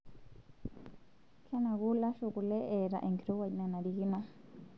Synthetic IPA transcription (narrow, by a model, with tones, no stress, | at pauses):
kʰa˦nã˨ɣu˦la˦ʃu˧˨ku˧˨le˦ʔe˨ɾa̰˨ʔe˨ŋki˨ɾo˦wa˧inã˧nã˨ɾi˧hi˦mã˦